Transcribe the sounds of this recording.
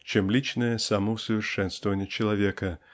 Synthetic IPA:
t͡ɕemlʲit͡ɕnəjəsaməʊsəvʲɪrʂɛnst̪vəvənʲɪjət͡ɕɪlˠɐvʲekə

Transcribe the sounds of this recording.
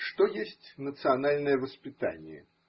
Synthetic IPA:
ʂt̪ɔjesʲt͡sʲnət̪sɨanalʲnɐjɛvəspʲit̪a̰nʲjɛ̰

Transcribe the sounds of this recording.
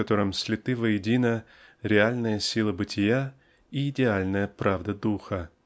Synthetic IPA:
ɐt̪o̞ɾəmsʲlʲɪt̪ɨvəjɪdʲinə | ɾʲɪalʲnəjəsʲilˠəbɨtʲɪja | iɪdʲɪalʲnəjəpɾavd̪əd̪uxə

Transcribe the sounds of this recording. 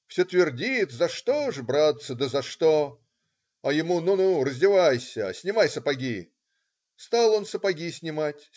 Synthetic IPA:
fsʲot̪vʲɪrdʲit̪zɐʂt̪o̞ʐɨbɾat̪səd̪əzɐʂt̪o | ɐjɪmununurəzʲdʲɪvajsʲəsʲnʲɪmajsəpɐɡʲi | st̪alˠo̞nsəpɐɡʲisʲnʲɪmatʲ

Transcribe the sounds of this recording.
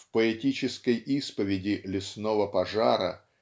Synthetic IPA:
fpəɛtʲit͡ɕɪskəjʔispəvʲɪdʲɪlʲɪsnovəpɐʐaɾə̰

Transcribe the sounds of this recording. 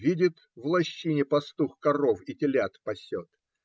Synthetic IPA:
vʲidʲɪt̪ | vlˠɐɕːinʲɪpɐst̪uxkɐrofɪtʲɪlʲat̪pɐsʲot̪

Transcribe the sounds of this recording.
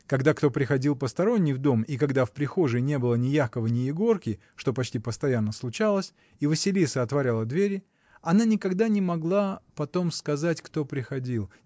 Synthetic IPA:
kɐɡd̪akt̪o̞pɾʲɪxɐdʲilˠpəst̪ɐɾo̞nʲːijvd̪o̞mikɐɡd̪afpɾʲɪxo̞ʐɨnʲe̞bɨlˠənʲɪjaxkəvənʲɪjɪɡo̞rkʲɪ | ʂt̪o̞pɐt͡ɕtʲipəst̪ɐjanːəslˠʊt͡ɕalˠəsʲ | ivəsʲɪlʲisəɐt̪vɐɾʲalˠəd̪vʲeɾʲɪ | ɐnanʲɪkɐɡd̪anʲɪmɐɡlˠapɐt̪o̞mskɐzatʲkt̪o̞pɾʲɪxɐdʲilˠ

